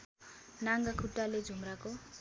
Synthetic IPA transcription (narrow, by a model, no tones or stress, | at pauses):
naŋɡakʰuʈːaled͡zʱumrako